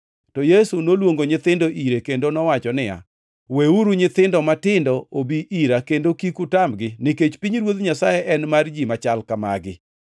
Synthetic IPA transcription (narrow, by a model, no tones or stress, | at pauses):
tɔjesunolwoŋɡoɲɪt̪ɪndoʔiɾekendonɔwat͡ʃɔnɪja̰ | weuɾuɲɪt̪ɪndɔmatɪndɔobiʔiɾakendokikutamɡɪnɪket͡ʃpiɲɾwot̪ɲasajɛʔɛnmard͡ʒimat͡ʃalkama̰ɡɪ